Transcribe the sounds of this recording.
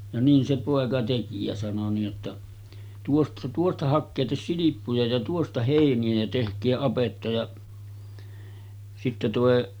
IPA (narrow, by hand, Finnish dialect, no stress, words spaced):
jɑ niːn se poˑekɑ teki jɑ sɑno niːʔ ʔotːɑ tuost tuostɑ hɑkːeːtes silipːujɑ jɑ tuostɑ heˑiniæ jæ tehkˑeː ɑpetːɑ jɑ sitːe toˑe